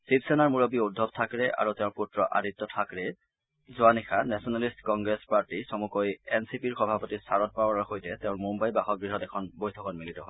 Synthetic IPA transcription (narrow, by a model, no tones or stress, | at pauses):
sipsɛnaɹmuɹɔbiudʱːɔb̚tʰakɹɛʔa̰ɹuteʊ̃ɹputɹɔʔa̰ditːɔtʰakɹɛ | zʊanixʰanɛsɔnalistkɔŋɡɹespaɹtisɔmukojɛnsipiɹxɔbʱapɔtisaɹɔt̚pawanaɹxojtɛteʊ̃nmumbajbaxɔɡɹiɦɔtɛkʰɔnbojtʰɔkɔtmilitɔɦɔj